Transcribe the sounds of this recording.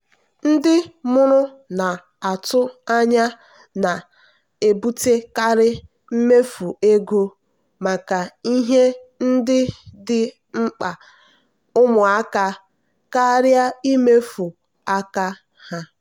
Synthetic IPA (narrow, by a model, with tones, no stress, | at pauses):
n̩˦dɪ˦mʊ˦ɾʊ˦ | na˨ | a˨tʊ˦a˦ɲa˦ | na˨ | e˨bu˦te˦ka˦ɾɪ˦ | m̩˦me˦fu˨e˦ɡo˦ | ma˨ka˨i˦ɦe˦n̩˦dɪ˦dɪ˦ | ŋ͡m̩˦k͡pa˨ | ʊ˦mʊ˨a˦ka˦ | ka˦ɾja˦i˦me˦fu˨ | a˦ka˦ | ha˦